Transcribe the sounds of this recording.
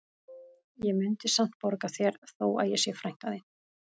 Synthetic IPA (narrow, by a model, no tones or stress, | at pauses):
jɛmʏnt̪ɪsam̥t̪̚pɔɾkaθjɛɾθoːwa̰ðjɛsjɛfɾajŋ̥t̪aðɪ